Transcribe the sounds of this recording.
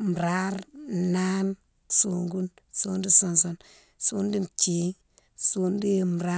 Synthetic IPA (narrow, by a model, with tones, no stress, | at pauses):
m˨ɾa˦ɾna˦n | so˨ŋɡu˦nso˦ndi˦so˨nso˦n | su˦ndi˦nt͡ʃi˨˦ | su˨ndi˦˨m˨ɾa˦